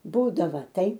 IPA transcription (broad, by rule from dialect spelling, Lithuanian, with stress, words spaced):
ˈbuːdɐʋɐ ˈtɐɪ